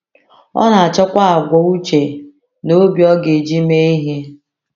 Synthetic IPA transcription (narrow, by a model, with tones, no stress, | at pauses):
ɔ̰˦na˨a˨t͡ʃɔ˦kʷa˦a˨ɡʷɔ˨u˦t͡ʃe˨ | no˦bjɔ˦ɡe˨d͡ʒi˦me˦i˦ɦe˦